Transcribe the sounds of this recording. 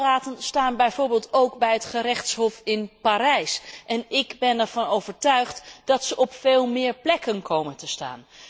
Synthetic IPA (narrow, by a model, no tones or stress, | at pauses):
raːtənstaːnbɛjvʊːɹbeːlˠtowkbɛjɦətχəɾɛχtsɦɔfɪnpaːɾɛjsʔɛnɪɡbɛnɛɹv̥ɑnowv̥əɹtœɥχtd̥ɑtsəʔɔpfeːlˠmɪːɹplɛkənkʰowməntəsta̰ːn